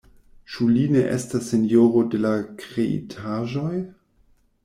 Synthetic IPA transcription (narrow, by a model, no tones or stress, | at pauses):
t͡ʃuline̞ʔḛstasːenjoɾo̞de̞lakʁeʔḭtʰaʒo̞j